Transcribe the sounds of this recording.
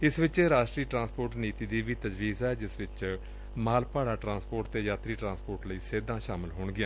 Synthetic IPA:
ɪsʋɪt͡ʃɾaːʃʈɾiːʈɾãːnspoːɾʈniːt̪iːd̪iːʋiːt̪əd͡ʒʋiːzɛːd͡ʒɪsʋɪt͡ʃ | maːlpaːɽaːʈɾãːspoːɾʈt̪eːjaːt̪ɾiːʈɾãːspoːɾʈləiːseːd̪ãːʃaːmɪlɦoːɳɡɪjãː

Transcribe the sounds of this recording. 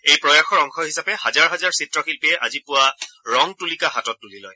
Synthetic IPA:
ejpɹɔjaxɔɹɔŋxʰɔɦisapɛhazaɹɦazaɹsitɹɔxilpiɛʔazipʊwaɹɔŋtulikaɦatɔt̚ːulilɔj

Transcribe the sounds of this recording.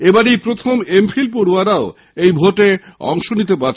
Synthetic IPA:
ebaɾijpɾot̪ʰomemfʰilpoɽuaɾao | ejbʱoʈeɔ̰ŋʃonit̪epatː

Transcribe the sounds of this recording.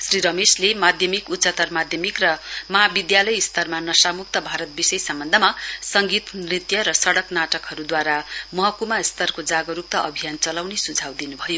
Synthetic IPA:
sriɾʌmeslemad̪ʱjʌmikut̪ːsʌt̪ʌrmad̪ʱjʌmikrʌmʌɦabid̪jalʌjst̪ʌrmanʌsamukt̪ʌbʱaɾʌt̪̚bisʌjsʌmbʌnd̪ʱʌmasʌŋɡit̪nrit̪jʌɾʌsʌɽʌknaʈʌkɦʌɾud̪waɾamʌɦʌkumast̪ʌrkod͡zaɡʌɾuk̚t̪ʌʔʌbʱijant͡sʌlawnesud͡zʱawd̪inubʱʌjo

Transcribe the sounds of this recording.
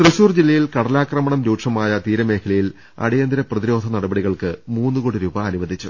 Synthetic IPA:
t̪rɨɕuːrd͡ʑilːɐjilkɐɽɐlaːkrɐmɐɳɐmɾuːʈʂɐmaːjɐt̪iːɾɐme̞ːkʰɐlɐjil | ɐ̰ɽijɐnd̪iɾɐprɐðiɾo̞ːd̪ʱɐnɐɽɐbɐɽiɣɐɭkɨmuːnːɨkoːɽiɾuːbɐːnuʋɐd̪ʱit͡ɕːu

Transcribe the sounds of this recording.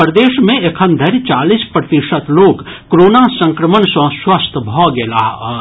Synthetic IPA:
əɾd̪eːʃmẽekʰənd̪ʱɐɾt͡ʃaːlispɾət̪iʃət̪loːk | kɾoːnasə̃ŋkɾəmənsə̃swəst̪ʰbʱɔɡela̰ːɦ

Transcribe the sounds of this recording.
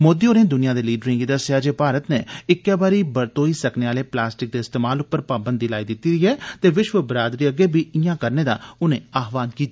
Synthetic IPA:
moːd̪iːoːɾẽːd̪ʊnɪjãːd̪eːliːɖɾɪ̃ŋɡiːd̪əsjaːd͡ʒeːpaːɾət̪neːɪkːɛːbaːɾiːbəɾt̪oːiːsəkneːaːleːplaːsʈɪk̚d̪eːst̪eːmaːlʊpːəɾpaːbənd̪iːlaːiːd̪ɪt̪ːiːɾiːɦɛːt̪eːʋɪʃʋəbəɾaːd̪ɾiːəɡeːbʱiːɪjãːkəɾneːd̪aːʊnḛ̃ːaːɦʋaːnkiːt̪ː

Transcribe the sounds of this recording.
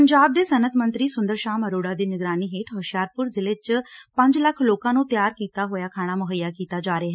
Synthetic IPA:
əɲd͡ʒaːb̚d̪eːsənət̪mənt̪ɾiːsʊnd̪əɾʃaːməɾoːɽaːd̪iːnɪɡɾaːniːɦeːʈʰɦɔːʃjaːɾpʊɾzɪlet͡ʃpə̃ɲd͡ʒləkʰloːkãːnũːt̪ɪjaːɾkiːt̪aːɦoːjaːkʰaːɽ̃aːmʊɦəjːaːkiːt̪aːd͡ʒaːɾɪaɦɛ

